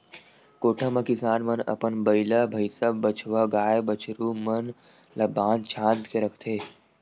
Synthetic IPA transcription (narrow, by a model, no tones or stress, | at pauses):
koːʈʰəmɐ̃kɪsaːnmɐnɐ̰pənbɐɪlɐbʱɐjsəbːət͡ʃʰʋɐɡaːjbɐt͡ʃʰɾumɐn | lɐbãːnd̪t͡ʃʰãːnt̪keɾəkʰt̪ʰeː